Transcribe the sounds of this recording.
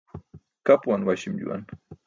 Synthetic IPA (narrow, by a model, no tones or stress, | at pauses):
kapwanwaʃɪmʎṵa̰n